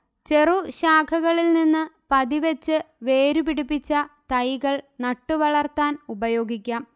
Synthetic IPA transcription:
t͡ɕe̞ruɕaːkʰɐɣɐɭilninːɨpɐðiʋet͡ɕːɨʋe̞ːɾupiɽipːit͡ɕːɐt̪ɐjɣɐɭnɐʈːuʋɐɭɐrt̪aːnubɐjo̞ːɡʱikʲːaːm

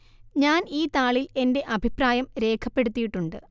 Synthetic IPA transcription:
ɲaːniːt̪aːɭile̞nde̞ʔɐbʱipraːjɐmɾe̞ːkʰɐpːe̞ɽut̪ːijiʈːuɳɖɨ

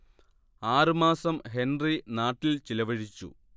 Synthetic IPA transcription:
aːrɨmaːsɐmɦe̞nrinaːʈːilt͡ɕilɐʋɐɻit͡ɕːṵ

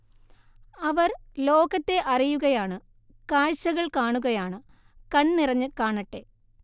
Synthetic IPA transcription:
ɐʋɐrlo̞ːɣɐt̪ːe̞ʔɐrijuɣɐjaːɳɨ | kaːɻɕɐɣɐɭkaːɳuɣɐjaːɳɨ | kɐɳnirɐɲːɨkaːɳɐʈːe̞

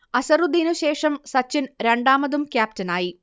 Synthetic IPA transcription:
ɐsɐrud̪inuɕe̞ːʂɐmsɐt͡ɕːinɾe̞ɳɖaːmɐðumkʲjaːp̚tɐnaːji

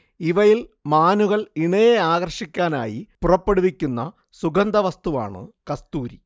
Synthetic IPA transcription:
iʋɐjilmaːnuɣɐɭiɳɐjeaːɣɐrʂikʲːaːna̰ːjipurɐpːe̞ɽuʋikʲːunːɐ | suɡɐnd̪ɐʋɐst̪uʋa̰ːɳɨ̰kɐst̪uːɾi

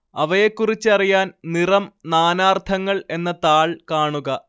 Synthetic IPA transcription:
ɐʋɐjekːurit͡ɕːɨɐrijaːnnirɐmnaːnaːrt̪ʰɐŋːɐɭe̞nːɐt̪aːɭkaːɳuɣɐ

